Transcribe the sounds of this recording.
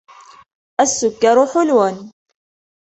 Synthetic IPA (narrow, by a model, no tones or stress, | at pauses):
ʔasːʊkːaɾʊħʊlwan